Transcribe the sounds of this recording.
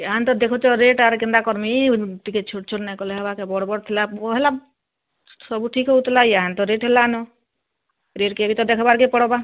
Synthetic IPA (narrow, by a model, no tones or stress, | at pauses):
aɦant̪ɔd̪ekʰot̪ɔɾeʈaɾkind̪akɔɾmiʈikett͡ʃʰuʈ̚t͡ʃʰoʈnɛkɔleɦɔbakebɔɽbɔɽt̪ʰilaoɦela | sɔbuʈʰikɦout̪laiaɦant̪ɔɾeʈɦelanɔ | ɾeʈkeəbit̪ɔd̪ekʰɔbaɾkepɔɽɔba